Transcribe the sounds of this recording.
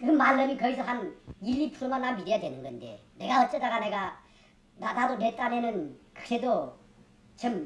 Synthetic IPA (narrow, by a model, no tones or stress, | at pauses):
kɯmalːɯmikʌisʰʌɦanilːipʰuɾumanːanmideadwenɯnɡʌndḛ | ne̞ɡaʌt̚t͡ɕ͈ʌt͈ːaɡaneɡa | nanadonet͈anenɯnkɯ̥k̚sʰedo | t͡ɕʰɯm